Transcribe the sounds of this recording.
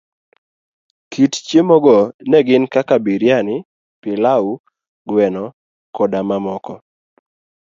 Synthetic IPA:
kʰitt͡ʃjemɔɡɔnɛɡɪnkakabiɾjanɪ | pɪlau | ɡwɛnɔ | kɔdamamɔkɔ

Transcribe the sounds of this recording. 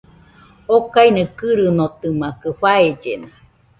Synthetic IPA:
okainekɨɾɯnot̪ɯmakɯɸaed͡ʒena

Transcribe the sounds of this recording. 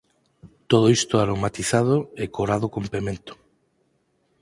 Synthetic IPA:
t̪oð̞oist̪oaɾomat̪iθað̞oekoɾaðokompemẽnt̪o̥

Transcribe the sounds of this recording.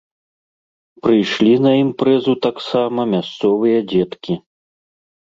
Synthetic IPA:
pɾɨjʂlʲinɐimpɾɛzut̪aksamɐmʲast̪sɔvɨjɐd͡zʲɛt̪kʲi

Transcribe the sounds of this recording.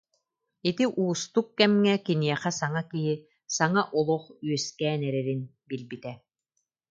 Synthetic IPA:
it̪iʔuːst̪ukːɛmŋɛkiniɛχɛsaŋakiɦi | saŋaʔɔlˠuχyœskɛːnɛɾɛɾin | bilbit̪ɛ

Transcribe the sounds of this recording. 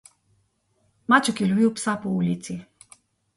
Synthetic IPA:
mat͡ʃukilʲviwpsapɔulʲit̪si

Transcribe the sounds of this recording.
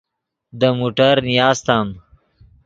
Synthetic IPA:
d̪əmuːʈəɾnijaːzt̪aːm

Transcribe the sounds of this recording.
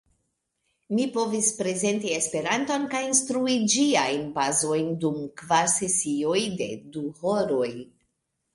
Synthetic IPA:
mipo̞vispɾe̞ze̞ntie̞spe̞ɾanto̞nkajinstɾuid͡ʒiajnbazo̞jndumkvaɾse̞sio̞jde̞̰duho̞ɾo̞j

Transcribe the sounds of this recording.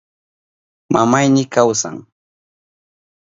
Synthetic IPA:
mamajnɪkawsa̰ŋ

